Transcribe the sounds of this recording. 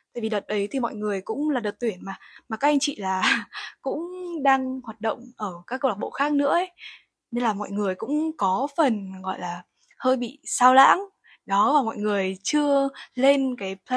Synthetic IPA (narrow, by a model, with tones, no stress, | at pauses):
t̪a̰ː˧˨jvi˨˩ɗə˨˩t̚ɗə˨˦jt̪ʰi˨˩mɔ̰˧˨jŋɨ˨˩əjkʊ̰˧˥ŋ͡mlaː˨˩ɗə˨˩t̚t̪wi˧˩ənmaː˨˩maː˨˩kaː˦˥ʔa˧jŋt͡ɕḭ˧˨laː˨˩kʊ̰˧˥ŋ͡mɗaː˧ŋhaː˨˩t̚ɗə̰˧˨wŋ͡mʔəː˧˩kaː˦˥k̚ːə˧wa˨˩ɓo̰˧˨xaː˦˥k̚nɨ̰˧˥əʔə˨˦j | ne˧nlaː˨˩mɔ̰˧˨jŋɨ˨˩əjkʊ̰˧˥ŋ͡mkɔ˨˦fə˨˩nɣɔ̰˧˨jlaː˨˩ | həː˧jɓḭ˧˨saː˧wla̰ː˧˥ŋ | ɗɔ˨˦vaː˨˩mɔ̰˧˨jŋɨ˨˩əjt͡ɕɨ˧əle˧nkaː˨˦j